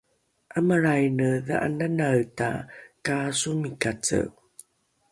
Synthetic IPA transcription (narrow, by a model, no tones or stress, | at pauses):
ʔəməɾajnəðəʔa̰nanaɰta̰kasumikat͡sə̰